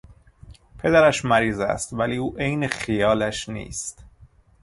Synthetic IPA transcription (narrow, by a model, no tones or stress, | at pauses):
pʰe̞d̪æɾæʃmæɾiːzæ̰st̪væliːuːʔejnexijɒːlæʃnḭːst̪